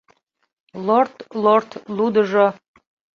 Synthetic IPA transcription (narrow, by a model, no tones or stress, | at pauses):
lort̪lort̪lud̪əʒo